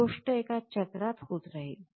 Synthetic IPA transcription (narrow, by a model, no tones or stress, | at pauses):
oʂʈəekat͡ɕət̪ɾat̪xuːt̪ɾaɦi